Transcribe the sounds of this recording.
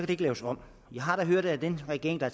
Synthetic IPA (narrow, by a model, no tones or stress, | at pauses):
kʰæd̥ee̝ɡ̥əlɛːʊsɒ̽m̰ | jɑ̈ɪɦɑ̈ɾ̥ɑɦøɐ̰d̥æd̥enʁɛɡ̥e̝̰ɐeŋd̥ɑ̈æɐ